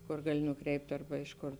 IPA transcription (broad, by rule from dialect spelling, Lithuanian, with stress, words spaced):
ˈkoːr ˈɡɑːlʲɪ nʊˈkrʲɛɪpʲtʲ ɐrbɐ ˈɪʃ ˌkoːr